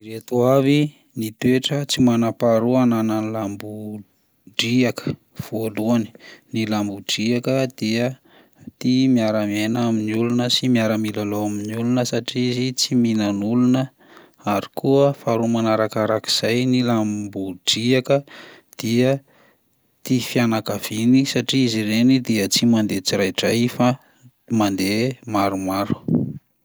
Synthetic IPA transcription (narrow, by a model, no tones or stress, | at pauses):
iɾet̪uavi | nit̪weʈ͡ʂət͡simanapaɾuanananilambu | ɖ͡ʐiakə̥ | v̥oaluani̥nilambuɖ͡ʐiakəd̪̥iə | t̪imiaɾamenaminiulunəsimiaɾamilaloaminulunəsaʈ͡ʂizit͡siminanulunə | aɾikuəfaɾumanaɾakaɾaki̥z̥ajnilambuɖ͡ʐiakə | d̪̥iə | t̪ifianakav̥inisaʈ͡ʂiizirenid̪iət͡simand̪et͡siɾajʈ͡ʂajfa | mand̪emaɾumaɾu̥